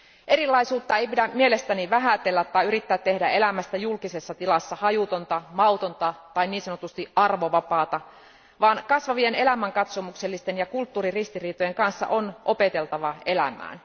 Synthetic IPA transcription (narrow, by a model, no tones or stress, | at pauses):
ʔe̞ɾilːˑɑisuːt̪ːɑeipidæmmie̞lest̪æniʋæɦæt̪elːæt̪ːɑiyɾit̪ːæːt̪ːe̞hdæe̞læmæst̪æjulkisesːɑt̪ilɑsːɑhɑjut̪ont̪ɑmɑut̪ont̪ɑt̪ɑiniːnsɑnot̪ust̪iʔɑrʋoʋɑpɑːt̪ɑ | ʋɑːnkɑsʋɑʋiene̞læmæŋkɑt̪so̞mukselːist̪enjɑkult̪ːuːririst̪iriːt̪ojeŋkɑnsːɑ̰ʔonʔo̞pe̞t̪e̞lt̪ɑʋɑelæ̰mæ̰ːn